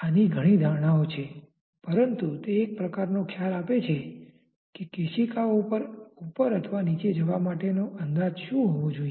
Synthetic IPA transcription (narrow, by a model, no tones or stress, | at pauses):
aniɡʱəɽ̃id̪ʱaɾɳ̃aot͡ʃʰe | pəɾənt̪ut̪eːk̚pɾəkaɾnokʰjalapet͡ʃʰe | kekeʃikaopəɾupəɾət̪ʰʋanit͡ʃed͡ʒəʋamaʈenoʔənd̪ad͡ʒʃũɦoʋod͡ʒoie